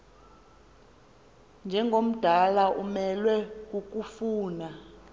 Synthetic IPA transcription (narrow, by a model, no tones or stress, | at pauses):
nd͡ʒʱɛŋɡʱom̩d̥ʱalaʔumɛlwɛkuk̬ʼufuːna